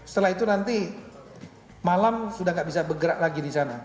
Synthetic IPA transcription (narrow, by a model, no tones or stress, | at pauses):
sə̥t̪əlaɦit̪unant̪i | malamsudahŋɡaʔbisabəɡəɾaʔlaɡidisana